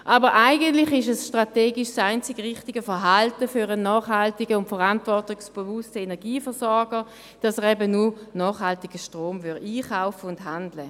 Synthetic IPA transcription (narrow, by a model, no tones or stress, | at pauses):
ʔɑːbəʁʔaɪɡəntlɪχɪʃɛsʃtʁateːɡɪʃsaɪnt͡sɪɡʁɪχtɪɡəfəɐɦaltəfyʁənɑːχhaltɪɡəʊntfəʁantvɔʁtɪksb̥evʊstəenɛɐɡiːfəɐʁsɔɐɡə | d̥ɑsəʁɛbənunɑːχhaltɪɡ̥əʃtʁoːmvʏɐiːχaʊfəʊnthandlə